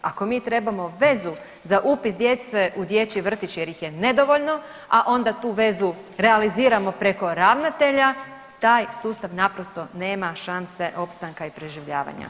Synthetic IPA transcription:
ako̞miːt̪ɾe̞bamo̞ʋe̞zu | zaʔupisd̪jet͡s̪t̪ʋeʔud̪je̞t͡ɕiʋr̩t̪it͡ɕjeɾjixje̞ne̞d̪oʋoʎno̞ | aʔo̞nd̪at̪uːʋe̞zu | ɾe̞aliziːɾamo̞pɾe̞ko̞ɾaʋnat̪e̞ʎa | t̪aːjsuːst̪aʋnapɾo̞st̪o̞ne̞ːmaʃanse̞ʔo̞pst̪aŋkaipɾeʒiʋʎaːʋa̰ɲa̰

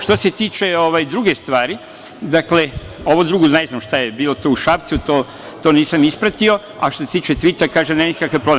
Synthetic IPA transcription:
ʃt̪o̞se̞t̪iːt͡ʃe̞o̞ʋajd̪ɾuɡest̪ʋaːɾi | d̪akle̞ | o̞ʋod̪ɾuɡuneznamʃt̪ajebiːlot̪ouʃapt̪sut̪oː | t̪oːniːsamispɾat̪io̞ | a̰ʃt̪ose̥t̪iːt͡ʃet̪ʋit̪akaːʒenenikakʋepɾoble

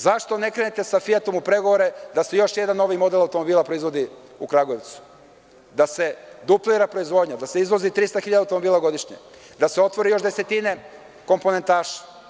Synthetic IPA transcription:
zaʃt̪o̞ne̞kɾenet̪e̞safijat̪omupɾe̞ɡo̞ʋoɾe̞d̪asejo̞ʃje̞d̪anːo̞ʋimo̞d̪e̞lˠawt̪o̞mo̞biːlapɾo̞izʋo̞d̪i | ukɾaɡoeʋt̪su̥ | d̪ase̞d̪upliɾapɾo̞izʋo̞ːd̪ɲod̪ase̞izʋo̞zit̪ɾist̪axiʎad̪awt̪omobiːlˠaɡo̞d̪iʃɲḛ | d̪aseo̞t̪ʋo̞ɾijo̞ʃd̪e̞set̪ine̞ | ko̞mpo̞nent̪aːʃḁ

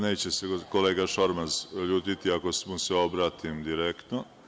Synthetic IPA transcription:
ne̞ːt͡ɕesekoleːɡaʃo̞ɾmazʎuːt̪it̪iako̞smuseo̞bɾaːt̪imd̪iɾekt̪no

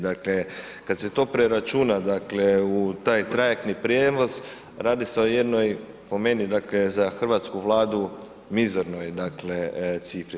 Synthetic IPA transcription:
d̪akle̞ | kad̪se̞t̪o̞ːpɾeɾat͡ʃunad̪akleut̪aːjt̪ɾajek̚t̪nipɾjeʋoz | ɾaːd̪ise̞o̞je̞d̪no̞j | po̞me̞nid̪akle̞zaxr̩ʋat̪skuʋlˠaːd̪u | mizoɾno̞jd̪aklet̪sifɾi

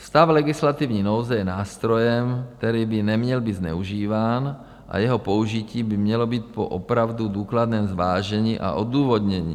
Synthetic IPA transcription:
st̪avlɛɡɪslat̪ivɲiːnowzajɛnaːst̪ɾojɛmk̚t̪ɛɾiːbɪnɛmɲɛlbid̪znɛ̰uʒiːvaːn | ʔa̰jɛɦɔpouʒiciːbɪmɲɛlobiːt̪̚po̰ʔopɾavd̪ud̪uːklad̪nɛːmzʋaːʒɛɲiːʔa̰ʔod̪uːvod̪ɲɛɲḭː

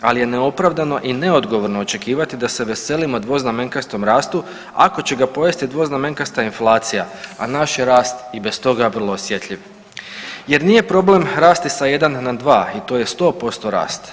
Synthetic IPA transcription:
alije̞neo̞pɾaʋd̪ano̞ʔine̞o̞d̪ɡo̞ʋo̞ɾnoot͡ʃe̞kiːʋat̪id̪ase̞ʋe̞se̞limod̪ʋo̞zname̞ŋkast̪o̞mɾaːst̪u | a̰ko̞t͡ɕe̞ɡapo̞jest̪id̪ʋo̞zname̞ŋkast̪ainflˠaːt̪sijaa̰naʃjeɾaːst̪ibe̞st̪o̞ɡaʋr̩lˠoːsje̞t̪ʎʲiʋ | je̞ɾniːje̞pɾo̞ble̞mɾaːst̪isaje̞d̪anːad̪ʋaːit̪o̞ːje̞st̪o̞ːpo̞st̪o̞ɾa̰ːst̪

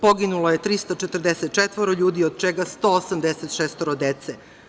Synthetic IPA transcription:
po̞ɡinulojet̪ɾist̪at͡ʃet̪r̩d̪eset̪̚t͡ʃet̪ʋoɾoʎuːd̪iod̪̚t͡ʃeɡast̪oosamd̪eset̪ʃest̪oɾod̪et̪se

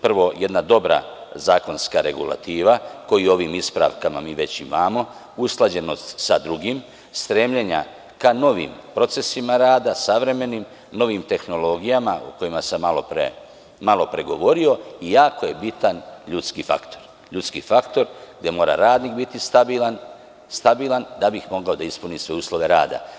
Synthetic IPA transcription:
pr̩ʋo̞je̞d̪nad̪o̞bɾa̰zaːko̞nskaɾe̞̰ɡṵla̰t̪iːʋako̞jio̞ʋimispɾa̰ʋkamamiːʋe̞t͡ɕimamo̞ | usklˠad͡ʑe̞no̞st̪sad̪ɾuɡim | st̪ɾe̞mʎeɲa̰ | kano̞ʋḭmpɾo̞t̪se̞simaɾaːd̪asaʋɾe̞me̞nim | no̞ʋiːmt̪e̞xno̞lo̞ɡijamaṵko̞jimasamalopɾḛ | malo̞pɾe̞ɡo̞ʋo̞ɾio̞ijaːko̞je̞bit̪anʎut̪skifa̰kt̪o̞ɾ | ʎut̪skifakt̪o̞ɾɡd̪je̞mo̞ːɾa̰ɾaːd̪niːkbit̪ist̪abilan | st̪abiːland̪abixmo̞ɡao̞d̪aispuniːsʋe̞uːslo̞ʋe̞ɾa̰ːd̪a̰

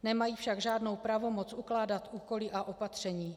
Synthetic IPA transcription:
nɛmajiːfʃaɡʒaːdno̞wpɾavo̞mo̞t͡sʔuklaːdat̪ʔuːko̞lɪʔaʔo̞pat̪r̝̥ɛɲiː

